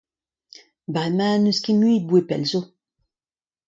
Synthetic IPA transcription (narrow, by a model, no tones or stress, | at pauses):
bʁemãnøskemɥiːd̪̚bwepɛ̰lzo